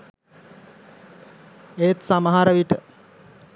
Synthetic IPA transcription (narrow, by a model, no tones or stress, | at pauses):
eːt̪samaɦaɾəʋiʈə